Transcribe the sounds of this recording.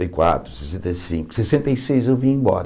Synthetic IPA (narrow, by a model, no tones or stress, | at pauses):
jkwa̰t̪ɾʊsesẽnt̪ɐjsĩŋkʊ̥sesẽnt̪ɐjsejzewvĩẽbɔ̰ɾɐ